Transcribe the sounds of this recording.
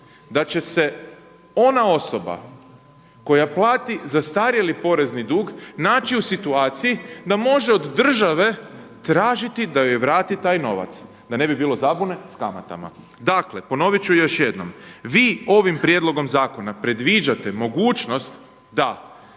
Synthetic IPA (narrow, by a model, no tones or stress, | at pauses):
d̪at͡ɕe̞se̞ | o̞nao̞so̞ba̰ | ko̞japlˠaːt̪izast̪aːɾiilipo̞ɾe̞znid̪uːɡnaːt͡ʃiusit̪uaːt̪sijid̪amo̞ʒe̞o̞d̪ːr̩ʒaʋe̞ | t̪ɾaːʒit̪id̪ajojeʋɾaːt̪it̪aːjno̞̰ʋa̰t̪s | d̪ane̞bibiːlˠo̞zabune̞skama̰t̪a̰ma̰ | d̪akle̞po̞no̞ʋit͡ɕujjo̞ʃjed̪no̞̰mʋiːo̞ʋimpɾjed̪lˠo̞ɡo̞mzaːko̞napɾe̞d̪ʋid͡ʒat̪e̞mo̞ɡuːt͡ʃno̞st̪ | d̪a